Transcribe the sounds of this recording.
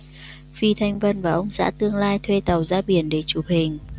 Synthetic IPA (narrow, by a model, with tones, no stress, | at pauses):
fi˧t̪ʰa˧jŋ̟və˧nvaː˨˩ʔə˧wŋ͡msa̰ː˧˥t̪ɨ˧əŋlaː˧jt̪ʰwe˧t̪ə˨˩wzaː˧ɓi˧˩ənɗe˧˩t͡ɕu˧˩hï˨˩ŋ̟